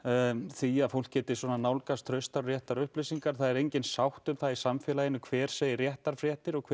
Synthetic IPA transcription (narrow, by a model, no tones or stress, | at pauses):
θiaðfowl̥kcːɛːt̪ɪ̥sɔnanaːwlkast̪ʰɾœɥst̪aɾrjɛht̪aɾʏhplesiŋkaɾ̥θaðɛɾejɲcɪnsawht̪ʏmθaðisamfɛːlajɪnːʏkʰvɛːɾ̥seːjɪrjɛht̪aɾ̥fɾjɛht̪ɪɾɔɣkʰ